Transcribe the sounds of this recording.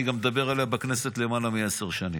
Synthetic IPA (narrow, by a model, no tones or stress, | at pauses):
iɡamːed̪abe̞ʁaleabekne̞set̪le̞malamieseʁʃanḭ